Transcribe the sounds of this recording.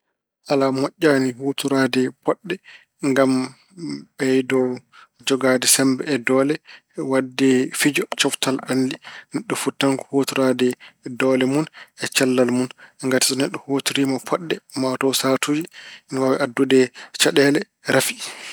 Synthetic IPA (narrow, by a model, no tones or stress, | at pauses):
ʔalamɔʔʲːaːnihotuɾadɛpɔɗːɛ | ŋɡam | bɛjdɔwd͡ʒɔɡadɛsɛmbɛːdɔːlɛ | wadːɛfid͡ʒɔt͡ʃɔftalɗandinɛɗːɔfutːaŋkɔ̥hotuɾadɛdɔːlɛmunɛt͡ʃalːalmunɛŋɡati̥sɔnɛɗːɔhotuɾimapʰɔɗːɛmatɔwsatʰuːd͡ʒiinwawɛʔadːudɛt͡ʃaɗɛːlɛ | ɾafi